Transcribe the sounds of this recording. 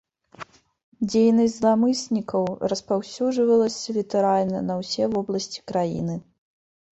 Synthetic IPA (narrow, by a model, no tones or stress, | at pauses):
d͡zʲejnɐsʲzlˠamɨsʲnʲikɐwrɐspawsʲuʐvɐlˠɐsʲɐlʲit̪ɛɾalʲnɐnɐwsʲɛvɔblˠɐsʲt͡sʲi̥kɾajḭnɨ